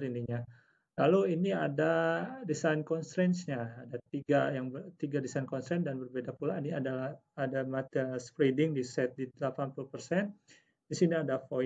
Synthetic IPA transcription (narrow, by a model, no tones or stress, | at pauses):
ɾiniɲa | laluiniadadisankɔnst̪ɾɛnsɲaːdat̪iɡajaŋbt̪iɡadisankɔnst̪ɾɛndanbərbedapulainiadala | adamat̪əspɾedɪŋdisɛt̪̚didlapanpulupərsɛn | disiniadafo